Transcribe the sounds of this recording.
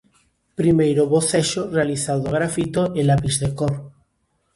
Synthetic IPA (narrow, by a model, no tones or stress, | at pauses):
pɾimejɾoβoθeʃorealiθawðoɣ̞ɾafit̪oʔelapizðekoɾ